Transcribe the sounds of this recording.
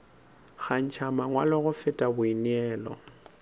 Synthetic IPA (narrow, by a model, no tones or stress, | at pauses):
ɣan̩t͡ʃʰamaŋwalɪɣʊfɪtʼabʊiniɛːlɔ̰